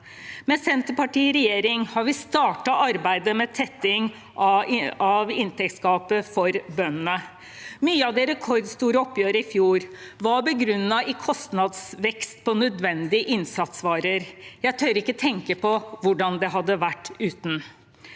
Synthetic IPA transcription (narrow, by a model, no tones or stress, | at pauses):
mɛsɛnt̪əpɑʈiːɾɛjeːɾɪŋhɑɾʋɪst̪ɑːʈɑʔɑɾbæɪd̪əmɛt̪ʰɛt̪ːɪŋ | ʔɑʋɪnt̪ʰɛk̚t̪skɑːpəfɔɾbœnənə | myːəɑʋd̪ɛɾɛkʰɔɾd̪st̪uːɾəɔpːjøːɾəɪfjuːɾʋɑɾbəɡɾʉnːɑʔɪkʰɔst̪nɑd̪sʋɛkst̪pʰɔnœd̪ʋɛnd̪ɪəʔɪnsɑt̪sʋɑːɾəɾjæɪt̪ʰøːɾɪkːət̪ʰɛŋkəpʰɔʋʊɖɑnd̪ɛɦɑd̪ːəʋæʈːʉːt̪n̩